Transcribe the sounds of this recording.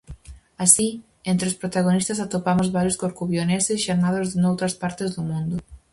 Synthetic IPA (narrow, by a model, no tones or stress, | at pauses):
asi | ẽnt̪ɾɪospɾot̪aɣ̞onist̪ɐsat̪opamʊzβaɾjʊskoɾkuβjonesɪsʃaɾnaðozðenowt̪ɾɐspaɾt̪ɪzðʊmũnd̪ʊ